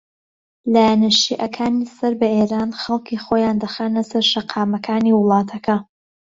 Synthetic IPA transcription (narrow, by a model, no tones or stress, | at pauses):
laːjanɐʃiʔɐkʰaːnisɐɾbɐʔeːɾaːnχɐlˠkiːxojaːnd̪ɐxaːnɐsɐɾʃɐqʰɑːmɐkʰaːniːwɨlˠɑːt̪ʰɐkʰɐ